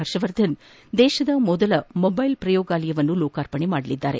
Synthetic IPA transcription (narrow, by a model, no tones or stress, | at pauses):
ɐɾʂɐʋɐɾd̪ʱɐn | d̪ɛːʃɐd̪ɐmɔd̪ɐlɐmobɐjlpɾɐjoːɡaːlɐjɐʋɐnːuloːkaːɾpɐɳemaːɽɐlid̪ːaːɾe